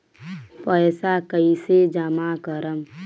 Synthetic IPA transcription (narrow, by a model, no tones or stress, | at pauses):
pəjsakəised͡ʒəmakəɾəm